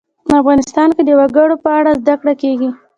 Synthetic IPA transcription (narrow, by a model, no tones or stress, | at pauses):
pəafɣɑnɪst̪ɑnked̪əwaɡəɽopəaɽazd̪akɽakeɡi